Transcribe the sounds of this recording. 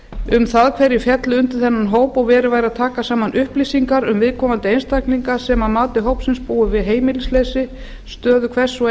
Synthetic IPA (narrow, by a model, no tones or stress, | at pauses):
ʏmθaðkʰvɛɾjɪfjɛt̪lɪʏnt̪ʏɾθɛnːanɦoːwpɔɣvɛːɾɪvaːjɾaðt̪ʰaːkasaːmanʔʏhplisiŋkaɾʏmvɪðkʰɔːmant̪ɪejnst̪akniŋkasɛmaðmaːt̪ɪɦowpsɪnspuːʏvɪðɦeːjmɪlɪsleːsɪ | st̪œːðʏkʰvɛ̥sɔ